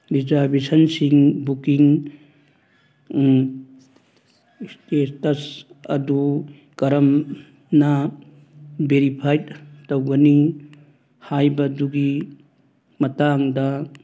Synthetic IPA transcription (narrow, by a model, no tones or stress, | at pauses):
dizaɾbesɐnsiŋbukiŋ | stestɐsɐ̰du | kɐɾɐm | nɐ | beɾipʰajttowɡɐni | hajbɐduɡi | mɐtaŋdɐ